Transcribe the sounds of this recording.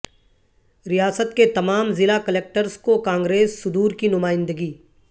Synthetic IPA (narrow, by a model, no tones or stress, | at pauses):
ɾijaːsət̪ket̪ɐmaːmzɪlakɐleːk̚ʈəɾskokãːŋɡɾeːsːʊd̪uːɾkinʊmaːɪ̃nd̪əɡiː